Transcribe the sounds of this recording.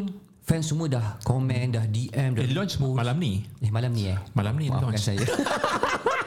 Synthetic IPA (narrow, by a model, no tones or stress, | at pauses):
n | fɛ̃nsəmũədahkɔmɛ̃ndahdiʔɛ̃mdalɔ̃nt͡ʃmalamniɛhmalamnĩɛmalamnḭlɔ̃kansaja